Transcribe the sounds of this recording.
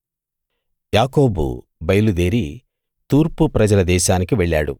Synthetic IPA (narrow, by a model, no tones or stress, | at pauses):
jaːko̞ːbṵ | bɐjɐlud̪e̞ːɾi | t̪uːɾpupɾɐd͡ʒɐlɐd̪ɛːʃaːnikiʋeɭːa̰ːɽṵ